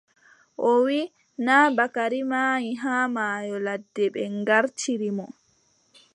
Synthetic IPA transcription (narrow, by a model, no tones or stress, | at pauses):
ʔɔwi | naːbakaɾimaːjiɦaːmaːjɔladːɛɓɛŋɡaɾt͡ʃiɾimɔ